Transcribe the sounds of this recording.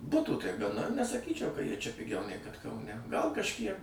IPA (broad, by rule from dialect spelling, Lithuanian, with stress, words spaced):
ˈbʊtuː tɐɪ ɡɐˈnɐ nʲɛsɐˈkʲiːt͡ʃʲɛʊ kɐ ˈjiɛ t͡ʃʲɛ pʲɪˈɡʲɛʊ nʲɛɪ kɐt kɐʊˈnʲɛ ˈɡɐlˠ kɐʃʲˈkʲiɛk